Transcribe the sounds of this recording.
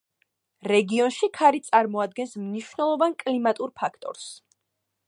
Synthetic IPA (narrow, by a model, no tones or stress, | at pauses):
ɾɛɡiɔnʃikʰaɾit̪sʼaɾmɔad̪̚ɡɛnsmniʃvnɛlˠɔvankʼlimat̪ʼuɾpʰakʰt̪ʼɔ̰ɾs